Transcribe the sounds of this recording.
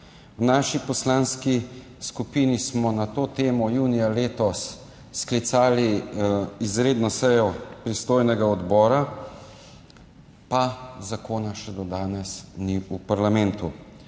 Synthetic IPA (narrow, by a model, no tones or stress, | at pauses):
wnaːʃipɔslaːnski | skupiːnismɔnat̪oːt̪eːmɔjuːnijaleːt̪ɔsː | klit̪saːli | izɾeːd̪nɔsɛjɔpɾist̪oːjnɛɡaɔd̪bɔːɾa | pazakoːnaʃɛd̪ɔd̪aːnɛsniupaɾlamɛnt̪u